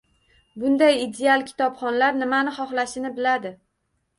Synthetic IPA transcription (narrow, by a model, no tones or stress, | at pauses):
bʊnd̪ajid̪ealˠkʲʰɪ̥t̪ʰɒpχɒnlaɾnɪmanɪχɒχlaʃɪnɪbɪlad̪ɪ